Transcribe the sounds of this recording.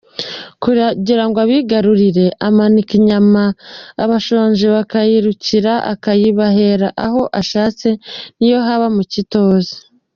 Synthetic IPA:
kuaɟiɾaŋɡoaβiɡaɾuɾiɾe̞ʔamanikiɲamaːβaʃoɲʒeβakajiɾuciɾaʔa̰kajiβaɦe̞ɾaʔaɦo̞ʔaʃaːt͡se̞nijo̞ɦaβamucito̞ːza

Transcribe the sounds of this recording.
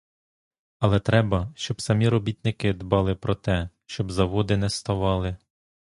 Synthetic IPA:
ɐlˠɛt̪ɾɛbɐʃt͡ʃɔbsɐmʲiɾɔbʲit̪nɪkɪd̪bɑlˠɪpɾɔt̪ɛʃt͡ʃɔbzɐʋɔd̪ɪnɛst̪ɐʋɑlˠɪ

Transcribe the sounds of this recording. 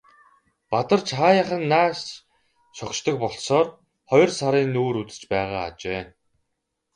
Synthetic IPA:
pat̪ə̆rt͡ɕʰχaːjaχə̆nːaːs | ʃɔkʃt̪ə̆k̚pɔɮsɔːr | χɔj̆rsaɾiːnːuːɾut͡s̪ɘ̥̆t͡ɕpæːʁa̰ːt͡ɕeː

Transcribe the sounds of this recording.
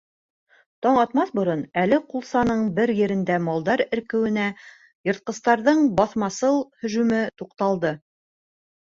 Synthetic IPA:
t̪ɑɴɑt̪mɑθbŏɾonælɘqulˠsɑnɤɴbɘɾjɘ̆ɾɘ̆nd̪æmɑlˠd̪ɑɾɘ̆ɾkɘ̆wɘ̆næ | jɤ̆ɾt̪̚qɤ̆st̪ɑɾðɤɴbɑθmɑsɤlˠhɵ̆ʒʉmɘt̪uqt̪ɑlˠd̪ɤ

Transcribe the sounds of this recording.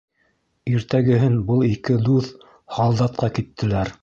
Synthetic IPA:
iɾt̪æɡɘ̆ɦɘnbɤlˠikɘd̪uθ | hɑlˠd̪ɑt̪̚qɑkit̪ːɘ̆læɾ

